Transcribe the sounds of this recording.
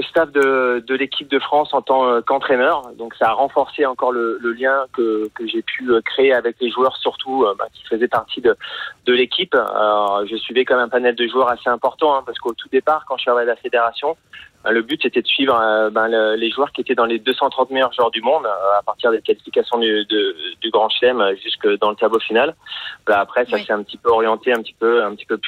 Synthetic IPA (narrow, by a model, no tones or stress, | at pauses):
əst̪avd̪əd̪əlekʲʰip̚d̪əfχɑ̃sɑ̃t̪ɑ̃kɑ̃t̪χɛnœʁd̪ɔ̃ksaːʁɑ̃fɔʁseɑ̃kɔʁlələljɛ̃kəkəʒepʰyøkχeːavɛkleʒuœʁsyʁt̪ʰuøbɛ̰̃kʲi̥fəzɛpaʁt̪ʰid̪əd̪̥əlekʲipa̰ɔʒəsɥivɛkɔɛmɛ̃panɛld̪əʒuœʁaseɛ̃pɔʁt̪ɑ̃ɛ̃paʁsə̥kot̪ud̪epaʁkɑ̃ʃəavajd̪lafed̪eʁasjɔ̃ | bɛ̰̃ləbyt̪set̪ɛd̪əsɥivʁbɛ̃lleʒuœʁkʲiet̪ɛd̪ɑ̃led̪øsɑ̃t̪χɑ̃t̪mejœʁʒwœʁd̪ymɔ̃d̪apaʁt̪iʁd̪ekalifikasjɔ̃d̪yd̪əd̪yɡʁɑ̃ʃlɛmøʒyskd̪ɑ̃lət̪ablofinalvalaːpχɛsasɛɛ̃pət̪ipøɔʁjɑ̃t̪eɛ̃pət̪i̥pøɛ̃pət̪i̥pøp